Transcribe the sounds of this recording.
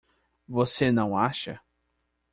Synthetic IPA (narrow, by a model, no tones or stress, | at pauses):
vosenɐ̃w̃aʃɐ̰